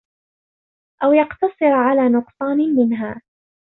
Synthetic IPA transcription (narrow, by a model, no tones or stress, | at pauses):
ʔawjɑqt̪ɑsˤɨɾʕalaːnʊqsˤɑːnmɪnɦaː